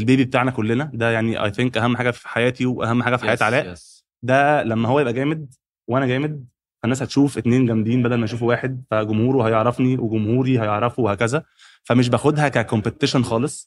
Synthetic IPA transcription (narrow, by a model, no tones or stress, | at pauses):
elbeːbibet̪aːʕnækolːenæd̪æjaʕniʔɑ̰jθeŋkʔæhæmːħaːɡæfi̥ħajæːt̪iweʔæ̰hæmːħaːɡæfi̥ħjæːt̪ʕalæːʔ | d̪ælæmːæɦowːjebʔæɡæːmed̪̚ | wʔænæɡæːmed̪̚ | fænːæːshæt̪ʃuːfʔet̪neːnɡæmd̪iːnbæd̪ælmæjʃuːfwæːħed̪̚fæɡomhuːɾuɦæjeʕɾˤɑfniweɡomhuːɾiɦæjeʕɾˤɑfowehæːkæzæ | fæmeʃ̬bæxod̪hækækompet̪ːeʃonxɑːlesˤ